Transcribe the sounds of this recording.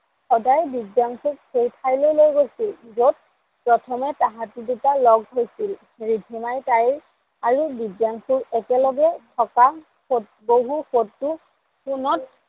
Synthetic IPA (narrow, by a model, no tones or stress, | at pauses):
xɔdajbidjaŋkuɹhejpʰajlojlojɡojsilzot̚ | pɹɔtʰɔmɛtaɦatiditalɔɡɦojsil | ɹidʱimajtaj | aɹubidjaŋkʰuɹɛkɛlɔɡɛtʰɔka | xot̚ | boɦuxotːʊ | kunɔt̚